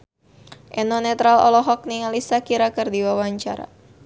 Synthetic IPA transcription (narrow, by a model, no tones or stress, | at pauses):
ʔɛnɔnɛt̪ɾalɔ̰lɔɦɔk̚niŋalisakiɾakɨrdiwawaɲt͡ʃaɾa̰